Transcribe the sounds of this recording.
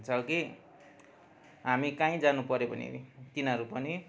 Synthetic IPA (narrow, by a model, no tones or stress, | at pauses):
nt͡sʰʌki | ɦamikãĩd͡zanupʌɾepʌnḭt̪inɦʌɾupʌni